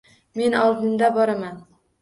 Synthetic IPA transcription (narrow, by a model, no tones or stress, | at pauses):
me̞nɒlˠd̪ɪnd̪abɒɾaman